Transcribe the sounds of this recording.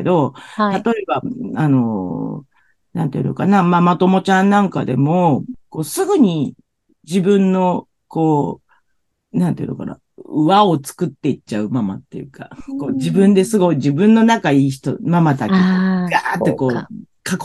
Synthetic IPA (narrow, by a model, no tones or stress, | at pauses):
ed̪o̞t̪at̪o̞e̞baano̞ | nãnt̪eḭno̰kanamamat̪o̞mo̞t͡ɕãnːãŋka̰d̪e̞mo̞ko̞ːsɨɡɯ̟ɲ̟i | d͡ʑibɯ̟̃nːo̞ | ko̞ː | nãnt̪eḭnoka̰na̰ | ɯβaot͡sɨ̥kɯ̟t̪ːe̞it͡ɕaɯ̟mama̰t̪ːe̞̰jɯ̟ka̰koːd͡ʑibɯ̟̃nd̪e̞sɨɡo̞id͡ʑibɯ̟̃nːo̞nakaiːç̬i̥t̪o̰mamat̪akiɡat̪ːeko̞ː | kak